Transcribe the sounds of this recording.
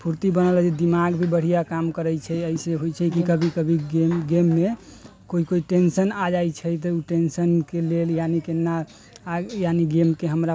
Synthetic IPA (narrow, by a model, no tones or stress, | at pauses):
pʰuɾt̪ibənələd͡ʒed̪imaɡbʱibəɽ̤ijakamkəɾət͡ʃʰɛəiseɦojt͡ʃʰɛkikəbʱikəbʱiemɡemːe | koikoiʈensənad͡ʒajt͡ʃʰɛjt̪̬ɔuʈensənkeleljanikenːa | janiɡemkeɦəmɾa